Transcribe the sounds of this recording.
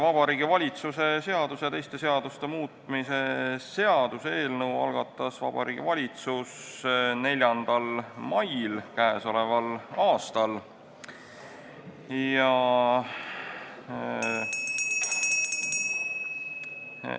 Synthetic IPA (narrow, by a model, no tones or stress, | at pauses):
vɑb̥ɑɾiːɡ̥ivɑlʲit̪suse̞se̞ɑd̪̥uset̪e̞jst̪e̞se̞ɑd̪̥ust̪e̞muːt̪ˑmise̞se̞ɑd̪̥usee̞ːlnɤwɑ̰lɡ̥ɑt̪ːˑɑsvɑ̰b̥ɑ̰ɾḭːɡ̥ḭvɑlʲit̪susne̞lʲjɑnd̪̥ɑlmɑjlkæeso̞le̞vɑlɑːst̪ɑl | jɑ